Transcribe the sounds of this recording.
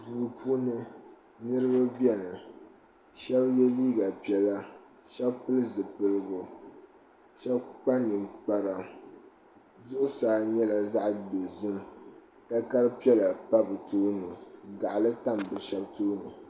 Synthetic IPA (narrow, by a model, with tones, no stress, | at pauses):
duː˨pʰu˦nɨ˦ | nɨ˦ɾɨ˦ba˦bi˦ɛ˦nɨ˨ | ʃɛ˦bjɛ˦liː˦ɡa˨pi˨ɛ˨la˦ | ʃɛ˦bpɨ˦lɨ˦zɨ˨pɨ˨lɨ˦˨ɡʊ˨ | ʃɛ˦bk͡pa˦nɨ˨mk͡pa˨ɾa˨ | zʊ˦ʔʊ˦saː˨˦ɲɛ˦la˨za˦ʔdo˨zɨ˦m | ka˦ka˦ɾɨ˦pi˦ɛ˦la˨pa˦bɨ˨tu˦nɨ˨ɡa˨ʔlɨ˦ta˦mbɨ˨ʃɛ˦btu˦nɨ˨